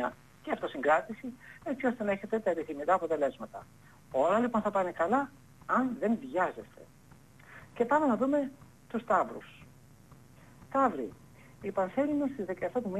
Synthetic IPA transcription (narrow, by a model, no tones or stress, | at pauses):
ɐ | ceɐft̪o̞siŋɡɾɐt̪isie̞t͡sio̞st̪e̞nɐeçe̞t̪e̞t̪ɐepiθimikɐːpo̞t̪e̞le̞zmɐt̪ɐ̰ | o̞lɐlipo̞nθɐpɐne̞kɐlɐ | ɐnðe̞nvʝɐze̞st̪e̞̰ | ce̞pɐnenɐðume̞ | t̪ust̪ɐvɾṵs | t̪ɐvɾḭ | ipɐnθelinust̪izðekɐeft̪ɐt̪umi